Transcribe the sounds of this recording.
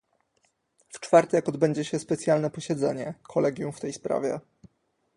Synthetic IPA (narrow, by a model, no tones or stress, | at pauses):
ft͡ʂfaɾt̪ɛjakɔd̪bɛɲd͡ʑɛɕɛspɛt̪sjalnɛpɔɕɛd̪zɛ̰ɲɛkʰɔlɛɡʲjumft̪ɛjspɾa̰vʲjɛ̰